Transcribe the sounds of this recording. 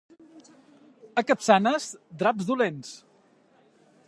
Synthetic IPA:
əkəpsanəzd̪ɾabzðulens

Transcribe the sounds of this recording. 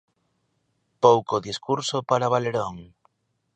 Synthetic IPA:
powkoðiskuɾsopaɾaβaleɾoŋ

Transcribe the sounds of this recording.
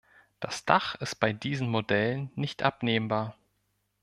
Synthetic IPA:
d̥asd̥aχɪst̚b̥aɪdiːzn̩modɛlənːɪçtʔa̰pneːmbaːɐ

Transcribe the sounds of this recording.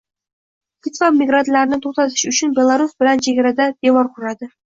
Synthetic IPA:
pʰʲɪt̪vamːiɡɾant̪laɾɪnɪŋt̪ʰoq̚t̪ɑt̪ʰɪ̥ʃɪʊt͡ʃɪnbʲelˠaɾusbɪlant͡ʃʰeɡʲaɾad̪ad̪̥ewɒɾqʰʊɾad̪ɪ

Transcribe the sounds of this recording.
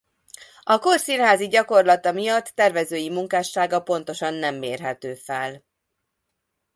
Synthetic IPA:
ɒkorsinɦaːziɟɒko̞rlɒt̪ɒmijɒt̪ːɛrvɛzøːjimuŋkaːʃːaːɡɒpo̞n̪t̪o̞ʃɒnːɛmːeːrɦɛt̪øːfɛl

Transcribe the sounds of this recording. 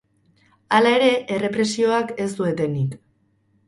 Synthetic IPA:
alae̞ɾe̞ʔere̞pɾe̞sio̞ake̞sd̪ue̞t̪e̞nik

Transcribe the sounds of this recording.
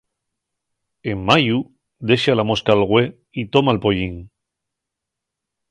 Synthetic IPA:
emːaju | d̪e̞ʃalamoskalɣwe | it̪omaelpoʎiŋ

